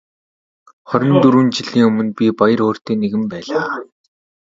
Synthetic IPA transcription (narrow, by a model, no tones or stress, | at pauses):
χɔɾʲɞ̆nt̪uɾuːnt͡ɕiɮiːŋɵmɵ̆npʲipajə̆ɾoːr̥t̪eːneɣɘ̆mpæːɮaː